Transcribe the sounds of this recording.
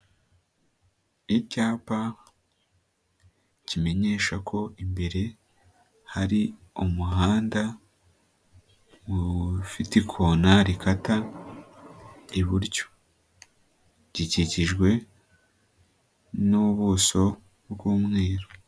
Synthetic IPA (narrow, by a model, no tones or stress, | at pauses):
icaːpa | cime̞ɲe̞ːʃakʰo̞imbe̞ɾe̞ | haɾiumuɦaːnda | βufitikʰonaɾikʰata | iβuɾɟo̥ | ɟ̥iciciʒɡwe̞ | nuβuːso̞ | bɡuːmŋeːɾo